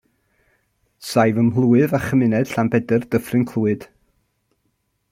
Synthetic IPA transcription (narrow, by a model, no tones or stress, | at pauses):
sajvəmɦlˠuːɨðaχəmɪnɛd̥ɬambɛdərd̥əfrɨnkʰlˠuːɨd̥